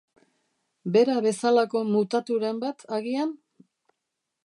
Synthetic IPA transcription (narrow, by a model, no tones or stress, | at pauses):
be̞ɾaβe̞salako̞mut̪at̪uɾe̞mbat̪ʰaɣian